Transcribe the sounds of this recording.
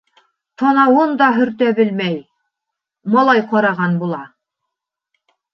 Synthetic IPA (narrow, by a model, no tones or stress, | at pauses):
t̪ʰɑnɑwɤnd̪ɑɦɵ̆ɾt̪æbɘlmæj | mɑlˠɑjqɑɾɑʁɑnbulˠɑ